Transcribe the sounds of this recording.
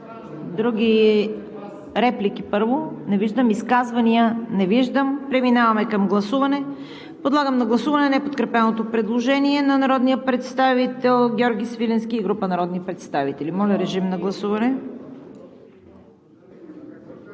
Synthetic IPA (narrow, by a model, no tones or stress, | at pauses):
d̪ɾuɡʲi | ɾɛplikipɤɾvonɛviʒd̪əmiskazvɐniənɛviʒd̪əmpɾɛminavɐmɛkɐmɡlˠɐsuvɐnɛ | pod̪lˠaɡəmnɐɡlˠɐsuvɐnɛnɛpot̪kɾɛpɛnot̪opɾɛd̪lˠoʒɛniɛnɐnɐɾɔd̪nijəpɾɛt̪st̪avit̪ɛlˠɡʲɔɾɡʲisvilɛnskʲiːɡɾupənɐɾɔd̪nipɾɛt̪st̪avit̪ɛlimɔlʲɐɾɛʒimnɐɡlˠɐsuvɐnɛ